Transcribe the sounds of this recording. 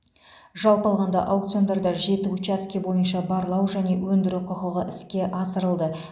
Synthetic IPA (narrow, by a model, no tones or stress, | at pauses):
ʒɑlˠpɑlˠʁɑnd̪ɑ̰ʔawkt̪sjo̞nd̪ɑɾd̪ɑʒe̞t̪ɪut͡ʃɑskʲebo̞jənʃɑbɑɾlˠɑwʒæne̞wɵnd̪ɪɾuqʰəqəʁəʔɪskʲe̞ʔɑsəɾəlˠd̪ə